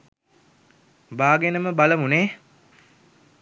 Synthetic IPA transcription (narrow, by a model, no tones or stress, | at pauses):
baːɡenəməbaləmuneː